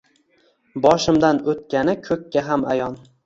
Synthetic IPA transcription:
bɒʃɪmd̪anot̪̚kʲanɪkʰɵkʲʰːaɦamajɒn

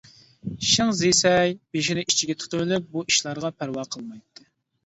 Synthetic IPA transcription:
ʃɪŋzisɛjb̥eʃ̬inɪi̥t͡ʃʰiɡʲɛt̪ʰu̥t̪ʰuɾɨlɨp̚buʔiʃlˠɑɾʁɑpʰæɾwɑqʰəlˠmɑjt̪ʰːɨ

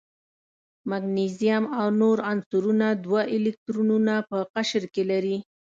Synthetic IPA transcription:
maɡnizijamawnoɾansuɾunad̪waʔɪlɪk̚t̪ɾununapəqaʃəɾkelaɾi

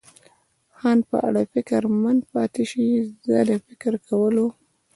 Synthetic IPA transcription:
xɑnpə̰ʔa̰ɽafɪkɾmand̪pɑt̪eʃizəd̪afɪkɾkʰawəlo

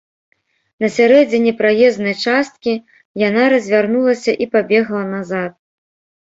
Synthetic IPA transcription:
nɐsʲaɾɛd͡zʲinʲɛpɾajɛznɐjt͡ʂast̪̚kʲi | janaɾɐzʲvʲarnulˠɐsʲɐʔipabʲɛɣlˠɐnazat̪̚

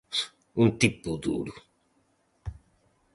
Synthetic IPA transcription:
ũnt̪ipʊd̪ṵɾʊ

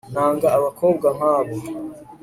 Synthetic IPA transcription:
n̥haːŋɡaːβakʰoːb̚ɡam̥haːβo

